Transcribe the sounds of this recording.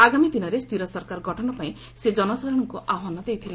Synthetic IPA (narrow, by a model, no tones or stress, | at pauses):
aɡamid̪inɔɾest̪ʰiɾɔsɔɾkaɾɡʱɔʈʰɔɽɔpaĩ | sed͡ʒɔnɔsad̪ʱɾɔɽ̃ɔŋkuʔaɦanɔd̪ejt̪ʰile